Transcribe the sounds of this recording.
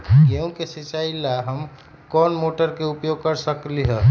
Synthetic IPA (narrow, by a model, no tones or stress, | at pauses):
keũkesit͡ʃailaɦəm | kɔnmoʈəɾkeupjoɡ̚kəɾsəkliɦə